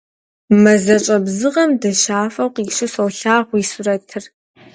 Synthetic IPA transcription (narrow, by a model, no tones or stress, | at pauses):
mɐzɐt͡ʃʼɐbzɨʁɐmdɐʃaːfɐwqiʂɨsɐwɬaːʁʷisʊrɐtʰɨr